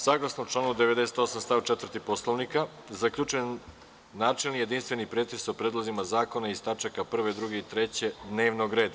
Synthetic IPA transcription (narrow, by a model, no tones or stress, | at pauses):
saːɡlˠasnout͡ʂlˠaːnud̪eʋed̪e̞set̪o̞samst̪aːwt͡ʃet̪vəɾ̩rt̪iposlˠoʋnika | zakʎʲut͡ʃuen | nːaːt͡ʃelˠnije̞d̪inst̪ʋenipɾeːt̪esopɾed̪lˠozimazaːko̞naist̪at͡ʃakapr̩ʋe̞d̪ɾuɡeit̪ɾet͡ɕe̞d̪ne̞ːʋnoɡɾe̞ːd̪a